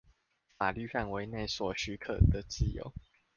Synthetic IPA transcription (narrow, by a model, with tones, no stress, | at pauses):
fa˨˩ly˥˧fa˥˨nwe˧˦ɪne˥˨ɪswɔ˨˩y˧˥kʰə̰˨˩d̪ə˨t͡ɕi˥˨jo̰˨˦ʊ